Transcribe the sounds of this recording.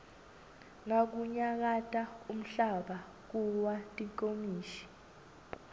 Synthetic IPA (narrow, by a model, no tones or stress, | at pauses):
ŋak̬uɲak̬atʼaum̩ɬaɓa | k̬uwatʼikʼomiːʃi̥